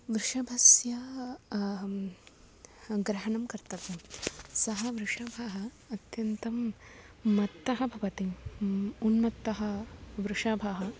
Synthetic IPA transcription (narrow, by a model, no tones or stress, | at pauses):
ʋɾɪʂɐbʱɐsjɐ | ɡɾɐɦɐɳɐmkɐɾt̪ɐʋ̪ɐmsɐɦɐʋɾuʂɐːbʱaːɦɐː | t̪jɐnt̪ɐmː | ɐt̪ːɐɦɐbʱɐʋɐt̪imunmɐt̪ːɐɦɐʋɾuʂaːbʱaːɦɐ